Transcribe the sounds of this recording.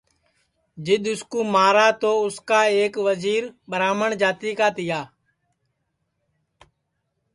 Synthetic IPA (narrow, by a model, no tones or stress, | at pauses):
d͡ʒɪɗ̪ʊskuːmaːɾaːt̪oːʊskaːeːkʋəziːɾɓəɾaːməɳd͡ʒaːt̪iːkaːt̪ɪjaː